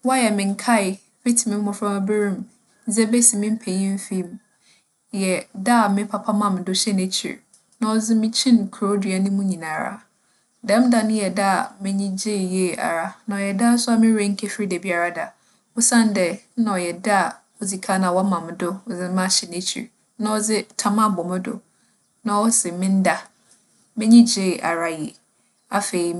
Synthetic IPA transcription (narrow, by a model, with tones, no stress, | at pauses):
wɔ˦a˦jɛ˨mɪ̃˨ŋ̩˨˦kʰa˦ɪ˨ | fi˦tʰi˨mɪ̃˦mː˦ɔ̃˨fɾa˦m˦bɪ˦ɾĩ˦m˦ | d͡ze˦be˦si˨mɪ̃˦m̩˦pʰe˨ɲĩ˦m˦fi˦m̃˨ | jɛ˨da˦˨mɪ̃˦pʰa˨pʰa˦mã˨m˨dʊ˦ɕɛ˦ne˦t͡ɕʰḭ˨ɾ | nã˨ɔ˨d͡zɪ˦mɪ̃˦t͡ɕʰĩ˦n˨kʰɾo˦dɥa˨nɪ̃˦mũ˦ɲĩ˨nã˨ɾa̰˨ | dɛ̃˦m˦da˨nʊ̃˦jɛ˨da˦˨mɪ̃˦ɲĩ˦d͡ʑe˦˨je˦˨a̰˨ɾa˨nã˨ɔ˨jɛ˨da˦˨˦sʊ˦a˨mɪ̃˦ɾẽ˦ŋ̩˦kʰɛ˦fɾi˦dɛ˨bi˨a˨ɾa˦da˨ | ʊ˦sã˦n˦dɛ˨˦nã˨ɔ˨jɛ˨da˦a˨ | ɔ˨d͡zi˨kʰa˦nã˨wɔ˦mã˨m˨dʊ˦ɔ˨d͡zɪ˦mã˦˨ɕɛ˨ne˦t͡ɕʰḭ˨ɾ | nã˦ɔ˦d͡zɪ˦tʰa˦mã˦˨bɔ˨mɪ̃˦dʊ̰˨ | nã˨wɔ˦sɪ˨mɪ̃˦n˦da˦ | mɪ̃˦ɲĩ˦d͡ʑe˦˨ʔa̰˨ɾa˨jɛ˨ | a˦fe˨i˨